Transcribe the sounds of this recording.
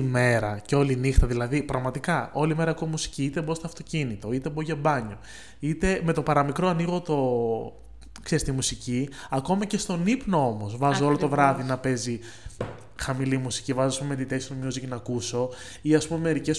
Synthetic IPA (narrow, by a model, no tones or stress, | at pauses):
me̞ɾɐceo̞linixt̪ɐðilɐðipɾɐɣmɐt̪ikɐo̞lime̞ɾɐekumusi̥ciit̪e̞bo̞st̪oɐft̪o̞cinit̪o̞it̪e̞boʝɐbɐɲo̞ | it̪e̞me̞t̪o̞pɐɾɐmikɾoɐniɣo̞t̪o̞ | ksɾist̪imusici | ɐko̞mɐce̞st̪o̞nipno̞omo̞zvɐzoo̞lot̪o̞vɾɐðinɐpe̞zi | xɐmilimusi̥civɐzoɐspumet̪it̪e̞si̥t̪umjuziknɐkuso̞ | iɐspumemeeɾice̞s